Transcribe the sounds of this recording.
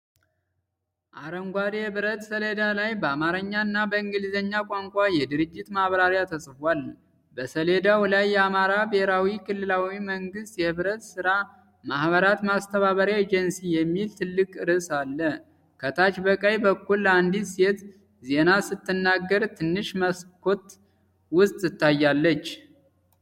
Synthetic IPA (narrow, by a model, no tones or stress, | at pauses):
ʔaɾəŋɡʷaɾehɨβɨɾət̪səled̪alajbəamaɾəɲːaɨnːabəɨŋɡɨlzəɲːakʷʼaŋkʷʼajɛd̪ɨɾɨd͡ʒːɪt̪mahβɾaɾjat̪ʰəsʼfwal | bəsəle̞d̪awlajːɛamaɾabehɾawikʰɨlːɨlawiməŋɡɨst̪jɛhɨβɾət̪sɨɾa | mahβəɾat̪mast̪ʰəβaβəɾied͡ʒənsijɛmːilt̪ʰɨlːɨkʼɨɾɨsalːə | kʰət̪ʰat͡ʃbəkʼəjbəkːulːəand̪ise̞t̪ | ze̞nasɨt̪ʰːɨnːaɡːəɾt̪ʰɨnːɨʃməskʰo̞t̪ | wʊst̪ʼɨt̪ʰːajːalːət͡ʃː